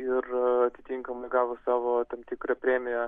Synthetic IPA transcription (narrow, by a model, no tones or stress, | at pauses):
ɪrɐt̪ʲɪt̪ʲiŋkɐmɐɡɑːʋʊsɑːʋoːt̪ɐmt̪ʲɪkɾɐpʲɾʲeːmʲɪjɛ